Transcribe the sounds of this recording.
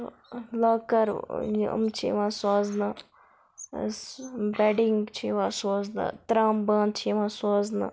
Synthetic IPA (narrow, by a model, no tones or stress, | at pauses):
lakɐɾjṵmt͡ʃʰḭʋãːsaːznaː | bɛːɖiŋɡt͡ʃʰiʋaːsoːzna̰t̪ɾaːmbaːnt͡ʃʰiʋãːsoːzna̰ː